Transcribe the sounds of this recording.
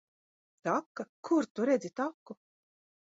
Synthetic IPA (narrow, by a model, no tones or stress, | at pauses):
t̪akːakʰuɾt̪uɾɛd̪zʲit̪akːu